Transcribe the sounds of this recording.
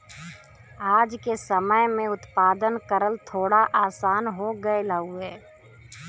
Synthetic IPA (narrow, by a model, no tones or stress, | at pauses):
aːd͡ʒkesəməjmẽʊt̪paːd̪ənkəɾəlt̪ʰoːɽaʔaːsaːnɦoɡəeləuɛː